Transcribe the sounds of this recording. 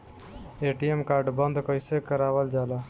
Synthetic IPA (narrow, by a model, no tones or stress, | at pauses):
eʈiemkaːɾɖbənd̪ʱkəɪsekəɾaʋəld͡ʒala